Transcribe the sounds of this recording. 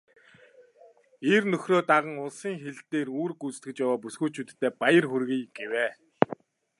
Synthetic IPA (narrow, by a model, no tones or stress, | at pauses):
ernɵxroːt̪aʁə̆ŋʊɮsiːŋxeɮt̪eːruːrɡut͡st̪ɡɘ̆kt͡ɕjawaːp̬usɡuːt͡ɕʰut̪t̪ʰːeːpajə̆rxɵrɣijɡ̥eweː